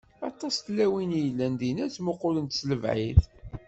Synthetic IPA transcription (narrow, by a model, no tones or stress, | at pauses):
ɑ̰t̪ˤːɑst̪læwinjəlːænd̪inæt͡smʊqːʊlənt̪sləvʕḭð